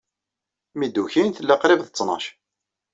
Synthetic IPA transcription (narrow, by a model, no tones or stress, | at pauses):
mid̪ːuçinθəlːæqɾɪvθət͡sːnɑ̰ʃ